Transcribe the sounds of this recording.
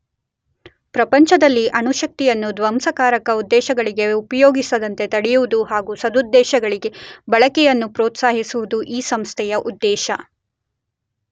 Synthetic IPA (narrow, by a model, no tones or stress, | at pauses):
pɾɐpɐɲt͡ʃɐd̪ɐlːiʔɐnuʃɐk̚t̪ijɐnːud̪ʋɐmsɐkaːɾɐkɐud̪ːɛːʃɐɡɐɭiɡe̞upɐjoːɡisɐd̪ɐnt̪e̞t̪ɐɽɛjuʋud̪uɦaːɡusɐd̪ud̪ːɛːʃɐɡɐɭiɡe̞bɐɭɐkɛjɐnːupɾoːt̪saːɦisuʋud̪uʔiːsɐmst̪ʰɛjɐʔud̪ːɛːʃɐ̰